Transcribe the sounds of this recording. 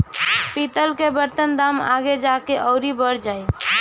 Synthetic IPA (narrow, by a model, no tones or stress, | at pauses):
pit̪əlkebəɾt̪ənd̪aːma̰ɡed͡ʒakeʔɔːɾibəɾd͡ʒaːe